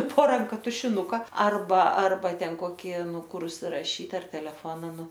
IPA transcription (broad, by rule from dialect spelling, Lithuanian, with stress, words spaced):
poː ˈrɐŋkɐ tʊʃʲɪˈnʊkɐ ɐrˈbɐ ˈɐrbɐ ˈtʲɛn ˈkoːkʲɪ ˈnʊ ˈkʊr ʊʃʲsʲɪrɐˈʃʲiːt ˈɐr tʲɛlʲɛˈfoːnɐ ˈnʊ